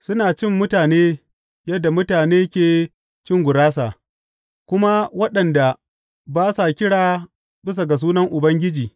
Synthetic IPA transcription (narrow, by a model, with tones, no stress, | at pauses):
sʊ˦naː˨t͡ʃɪ˦mːʊ˦taː˨neː˦ | jɐ˦dːa˨mʊ˦taː˨neː˦kʲeː˨ | t͡ʃɪ˦˨ŋɡʷʊ˨ɽaː˦s̬a˨ | kʷʊ˦ma˦wɐ˦ɗɐ˨nda˨ | baː˦sa˨kʲɪ˦ɽaː˨ | bɪ˦s̬a˨ɡa˨s̬uː˦nɐ˦ŋʔʊ˨bɐ˦ŋɡʲɪ˦d͡ʒiː˨